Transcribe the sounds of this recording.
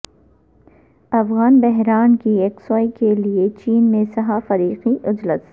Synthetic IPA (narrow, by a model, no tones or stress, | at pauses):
ɐfɣaːnbɛɦɾaːnkieːksɔːikeliet͡ʃiːnmẽsɐɦafɐɾiːqiʔʊd͡ʒləs